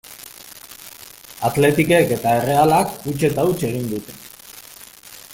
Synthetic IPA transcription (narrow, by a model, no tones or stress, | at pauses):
at̪le̞t̪ike̞ke̞t̪ae̞re̞alakut͡ʃe̞t̪aut͡ʃe̞ɣ̞ind̪ut̪e̞̥